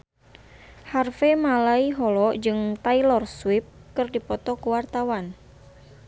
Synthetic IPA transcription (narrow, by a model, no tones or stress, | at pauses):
harfemalaiɦɔlɔd͡ʒɨŋt̪ailɔrswip̚kɨrdipɔt̪ɔkuwart̪awan